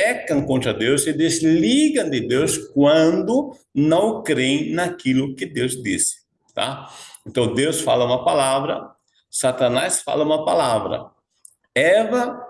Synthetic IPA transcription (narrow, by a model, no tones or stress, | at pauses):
ɛkɐ̃ŋkõnt̪ɾɐd̪ewsɪd̪ezliɡɐ̃nd̪ɪd̪ewskwɐ̃nd̪ʊ | nɐ̃w̃kɾẽj̃nakilʊkɪd̪ewzd̪isɪ̥ | t̪a̰ẽnt̪ɐ̃w̃d̪ewsfa̰lɐũmɐpalavɾɐ̰ | sat̪ɐ̃nasfa̰lɐũmɐpalavɾɐ̰ | ɛvɐ